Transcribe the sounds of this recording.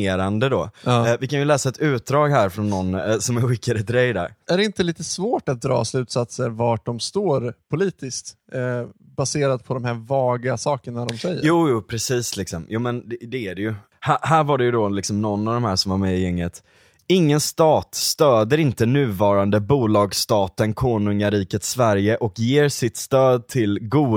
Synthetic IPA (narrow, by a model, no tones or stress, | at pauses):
eːɾand̪əd̪ɔvɪkʰanjɵlɛːsaɛt̪ʉ̟ːt̪̚d̪ɾɑːɡɦæːɾfɾɔnːɔnːsɔmɛɾɧɪkːaɾət̪ɾɛjd̪æ̰ɾæɖɛɪnt̪əliːt̪əsvoːʈat̪̚d̪ɾɑ̰ːslʉ̟ːt̪sat̪səɾvaʈ̚ɖɔmst̪oːɾpʰʊliːt̪ɪst̪ | baseːɾad̪pʰɔd̪ɔmhæɾvɑːɡasɑːkəɳaɖɔmsɛjːəjuːjuːpʰɾɛsiːslɪksɔmjuːmɛnd̪ɛd̪ɛæɖɛjɵ | hæɦæːɾvaɖɛjɵd̪ɔlɪksɔmnɔnːavd̪ɔmhæːʂɔmvaɾmeːjɛŋːət̪ | ɪŋːənst̪ɑːt̪st̪øːd̪əɾɪnt̪ənʉ̟ːvɑːɾand̪əbuːlɑːɡst̪ɑːt̪ənkʰoːnɵŋaɾiːkət̪svæɾjəʔɔkjeːɾsɪt̪st̪øːd̪̚t̪ʰɪlɡuː